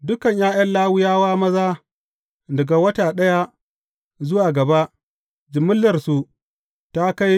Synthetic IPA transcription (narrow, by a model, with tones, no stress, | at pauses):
dʊ˦kɐ˨ɲjaː˦jɐ˦nlaː˦wʊ˦jaː˦waː˦mɐ˦zaː˦ | dɐ˨ɡa˨wɐ˦taː˨ɗɐ˦ja˦ | zʊ˦waː˨ɡɐ˨ba˦ʔ | d͡ʒɪ˨mʊ˦lːɐ˨rsu˨ | ta˦ka˦j